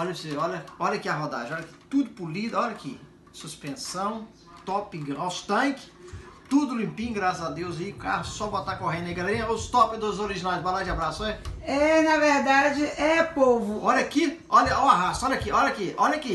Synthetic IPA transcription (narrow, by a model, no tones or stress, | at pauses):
ɔʎɐseɔʎɐɔʎakiɐɦɔd̪a̰ʒẽɔʎɐki̥t̪ud̪ʊpulid̪ɔʎɐki | suspẽsɐ̃w̃ | t̪ɔpiɡɾɔst̪ɐ̃kɪ̥t̪ud̪ʊlĩmpĩɲɡɾasɐzad̪ewzɐika̰ɾɐsɔbot̪akoɦẽd̪ẽɡalɾĩɐost̪ɔpɪ̃d̪ozoɾiʒinajzbalad͡ʒabɾasʊɛɛnɐveɾd̪ad͡ʒɪʔɛpovʊɔʎɐki | ɔʎɐʔaaɦasʊɔʎɐakiʔɔʎakiʔɔʎɐaki